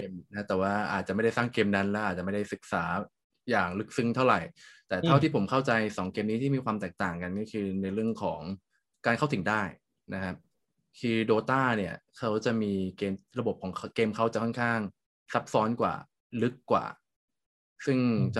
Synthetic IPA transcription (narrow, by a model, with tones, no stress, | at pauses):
e˧mna˦˥t̪ɛː˨˩waː˥˩ʔa̰ː˨˩t̪̚t͡ɕa˨˩ma˥˩jda˥˩saː˥˩ŋkeː˧mna˦˥nlɛ˦˥ʔaː˨˩t͡ɕa˨˩ma˥˩da˥˩jsɯ˨˩k̚saː˩˦ | jaː˨˩ŋlɯ˦˥k̚sɯ˥˩ŋt̪ʰa˥˩wɾa˨˩jt̪ɛː˨˩t̪ʰa˥˩wt̪ʰiː˥˩po˩˦mkʰa˥˩wt͡ɕa˧jsɔː˩˦ŋke˧mniː˦˥t̪ʰiː˥˩miː˧kʰwaː˧mt̪ɛː˨˩k̚t̪aː˨˩ŋka˧nkɔː˥˩kʰɯː˧na˧jɾɯ˥˩əŋkʰɔ̰ː˩˦ŋ | kaː˧nkʰa˥˩t̪ʰi˩˦ŋdaː˥˩j | na˦˥kʰa˦˥p̚ | kʰɯː˧doː˧t̪aː˥˩ni˥˩ɐkʰa˦˥wt͡ɕa˨˩ʔmiː˧keː˧mɾa˧bo˨˩p̚kʰɔː˩˦ŋʰkeː˧mkʰa˦˥wt͡ɕa˨˩kʰɔ˥˩kʰaː˥˩ŋ | sa˦˥p̚sɔː˦˥nkwa̰ː˨˩ | lɯ˦˥kːwa̰ː˨˩ | sɯ˥˩ŋt͡ɕa˩